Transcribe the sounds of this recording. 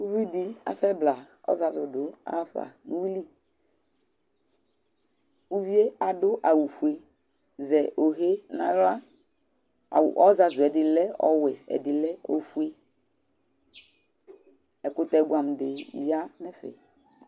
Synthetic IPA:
u˦vi˦di˦a̰˨sɛ˦bla˨ɔ̰˦za˨zʊ˨dʊ˨˦a̰˦fa̰˨nu˦wi˦li˦ | u˦vi˦e˦a˨dʊ˦ʔa˨wu˨fu˨e˨ | zɛ˨ʔo˨ɦe˦nã̰˦ja˦˨ | ʔɔ˦za˨zʊ˨ɛ˨dɪ˨lɛ˦ɔ̰˦wɛ˨ɛ̰˨dɪ˨lɛ˦o̰˦fu˦e˦ | ɛ˨kʊ˨tɛ˨˦ɡu˨a˨m˨dɪ̰˨ja˦nɛ˦fɛ̰˨

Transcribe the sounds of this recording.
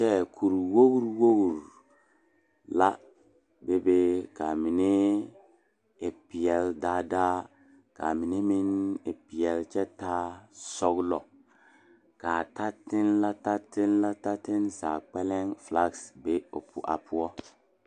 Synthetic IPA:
t͡ʃɛ˦kʰu˨ɾwo˦ɡu˦ɾwo˦ɡu˨ɾ | la̰˦ | be˦be˦ka˨mi˨nɪ˦ | ɪ˨pi˨ɛ˨ldaː˦daː˦ | ka̰˨mi˨ni˦mi˦nɪ˨pi˨ɛ˨lt͡ʃɛ˦taː˦sɔ˦ɡlɔ˨ | ka˨ta˦tɪ˦nla˦ta˦tɪ˦nla˦ta˦tɪ˦nza̰ː˨k͡pɛ˦lɛ˦ŋfla˦ɡsbe˦o̰˨pʰʊ̰˨ʔa̰˨pʊ˦ɔ˦

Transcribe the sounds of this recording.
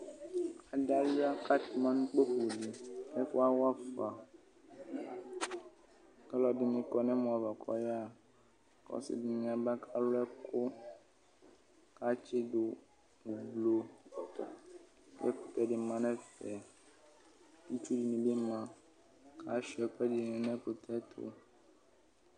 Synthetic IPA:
a˨ɖa˦li˦a˦ka˦t̪mã˦nũ˦k͡po˦ku˨ɖi˨e˦fo˦a˦wa˦fa˨ | kɛ˦lɔ˨di˨mĩ˨kɔ˨nɛ̃˦mɔ̃˨a˨va˨kʰɔ̰˦ja˦ | kɔ̰˦sḭ˦di˨mĩ˨a˨ba˦kʰa˦lo˦ɛ˦kʰo˦ | ka˦t͡ʃɪ˦do˨ | u˨blo˨ | ɛ̰˦ku˨t̪ɛ˦ɖɪ˨˦mã˦nɛ̃˦fɛ˨ | u˦t͡ʃu˦d͡ʒi˨mĩ˨be˦mã˨ | kʰa˦ʃi˨ɛ˨k͡pɛ˦di˨nĩ˨nɛ̃˦ku˨t̪ʰɛ˦t̪ʰʊ̰˦

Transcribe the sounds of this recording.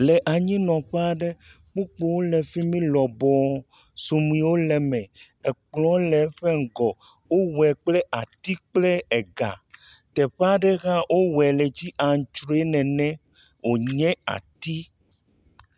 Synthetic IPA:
lɛ˨ʔa˨ɲĩ˦nɔ̃˨ɸe˦a˦ɖɛ˦k͡pu˦k͡po˨wo˦lɛ˨fi˦mĩ˦lɔ˨bɔ˨ | su˨mĩ˨˦wo˦lɛ˨mɛ̃˨ɛ˨k͡plɔ̃˨˦lɛ˨˦ɸɛ˦ŋ̩˨ɡɔ˨ | wo˦wɛ˨k͡plɛ˦ʔa˨t̪i˦k͡plɛ˦ɛ˨ɡa̰˨t̪ɛ˨ɸa˦ɖɛ˦ɣa˦wʔo˦wɛ˨lɛ˨d͡ʑi˦ʔa˨ŋ̩˨t͡ʃɾo˦e˦nɛ̃˨nɛ̃˦ | wo˨ɲɛ̃˦a̰˨t̪i˦

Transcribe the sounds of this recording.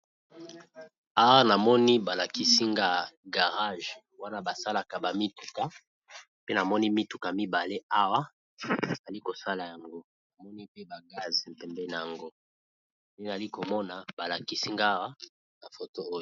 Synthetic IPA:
a˦wa˦na˨mɔ˦ni˦ba˨la˨ki˦si˦ŋɡa˦ɡa˨ʁa˦ʒ | wa˦na˦ba˨sa˦la˨ka˨ba˨mi˦tu̥˨ka˨ | pe˦na˨mɔ˦ni˦mi˦tu˨ka˨mi˦ba˨le˦a˦wa˦ | a˨za˨li˦ko˨sa˦la˨ja˨ŋɡo˦ | na˨mɔ˦ni˦pe˦ba˨ɡa˦zm̩˨pɛ˨mbɛ˦na˨ja˨ŋɡo˦ | je˦na˨a˨li˦ko˨mɔ˦na˨ba˨la˨ki˦si˦ŋɡa˦wa˦ | na˨fo˨to˦o˦j

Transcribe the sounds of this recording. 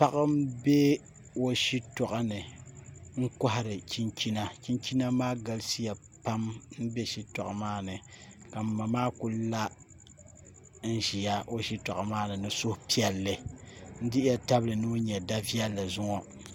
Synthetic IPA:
pa˦ʔa˦m˦be˦ | o˦ʃi˦tɔ˨ʔa˦nɨ˨ | ŋ̩˦kɔ˦ɦa˨ɾɨ˨t͡ʃi˦nt͡ʃi˦na˦t͡ʃi˦nt͡ʃi˦na˦maː˦ɡa˨lsi˦ja˨ | pa˦mn̩˦be˦ʃi˦tɔ˨ʔa˨maː˦nɨ˨ | ka˨m̩˨ma˨maː˦ku˦la˦ | n̩˦ʒi˨ja˦o˦ʃi˦tɔ˨ʔa˨maː˦nɨ˨nɨ˦sʊ˦hpi˦ɛ˨lːɨ˦n̩˦dɪ˦jɛ˦ta˦blɨ˨nɨ˦ɲɛ˨da˦vi˦ɛ˦lːa˨zʊ˦ŋɔ˦

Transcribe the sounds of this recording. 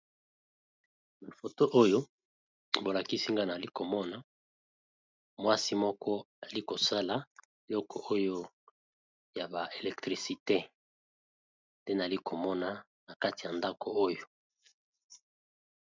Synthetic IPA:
ma˨fo˨to˦ʔo˦jo˦ | bo˨la˨ki˦si˦ŋɡa˦na˨li˦ko˨mɔ˦na˨ | mwa˦si˦mɔ˦kɔ˦ | a˨li˦ko˨sa˦la˨ | e˨lɔ˦kʰɔ˨ʔo˦jo˦ | ja˨ba˨ʔe˨lɛ˨k̚tʁi˨si˨te˦ | nde˦na˨li˦ko˨mɔ˦na˨ | na˨ka˦ti˨ja˨nda˦kʰo˨o˦jo˨

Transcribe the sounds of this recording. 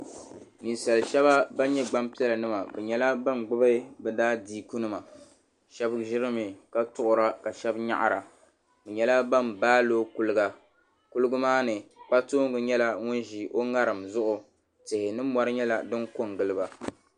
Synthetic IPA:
ni˨n˨sa˨lʃɛ˦βa˦ba˦ɲɛ˦ɡ͡ba˦mpi˦ɛ˦lɨ˨nɨ˦ma˨bɛ˨ɲɛ˦la˦ba˦mɡ͡bɨ˦ba˦bɛ˦daː˦diː˦ku˦nɨ˦ma˨ | ʃɛ˦bʒɪ˦ɾɨ˦mɨ˨ka˦tʊ˦ʔʊ˦ɾa˦ka˨ʃɛ˦bɲa̰˦ʔa̰˨ɾa˨ | bɛ˨ɲɛ˦la˦ba˦mbaː˦loː˦ku˦lɨ˦ɡa˨ | ku˦lɨ˦ɡʊ˦maː˦nɨ˨k͡pa˦toː˦ŋ˦ɡɨ˨ɲɛ˦la˦ŋʊ˦n˦ʒi˨ʔo˦ŋa˦ɾɨ˨mzʊ˦ʔʊ˨ | tɪ˨hɪ˨nɨ˦mːɔ˦ɾɨ˦ɲɛ˦la˨dɨ˦ŋko˦ŋ˨ɡɨ˨lɨ˦ba˨

